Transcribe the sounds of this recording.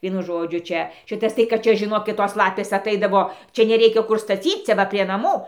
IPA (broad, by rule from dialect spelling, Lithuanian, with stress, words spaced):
ˈʋʲiɛnʊ ˈʒoːd͡ʒʲʊ ˈt͡ʃʲɛ ˈʃʲɪtɐs tɐɪ kɐt ˈt͡ʃʲɛ ʒʲɪˈnoːkʲɪt ˈtoːs ˈlˠɑːpʲeːs ɐˈtɐɪdɐʋoː ˈt͡ʃʲɛ nʲɛˈrʲɛɪkʲɛ ˈkʊr stɐˈt͡sʲiːt͡s ˈt͡sʲɛ ˈʋɐ pʲrʲiɛ nɐˈmuː